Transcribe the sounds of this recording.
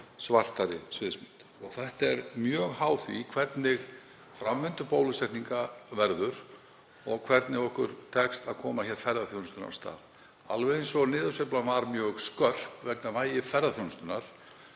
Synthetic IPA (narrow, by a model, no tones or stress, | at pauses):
svar̥t̪aɾɪ̰svɪðsmɪnt̪ | ɔɣθɛht̪ɛɾmjœːɣhaːwθvḭkʰvɛɾt̪nɪɣ | fɾamːɛnt̪ʏpowlʏsɛht̪niŋkavɛɾðʏɾ̥ | ɔɣkʰvɛɾt̪nɪɣɔhkʏɾ̥t̪ʰɛkst̪aðkʰɔːmaçɛɾ̥fɛɾðaθjownst̪ʏna̰ɾ̥st̪a̰ːð | a̰lvɛɪnsɔɣnɪːðʏseplamaɾmjœːɣskœr̥pvɛknamaːjɪfɛɾðaθjownst̪ʏnaɾ̥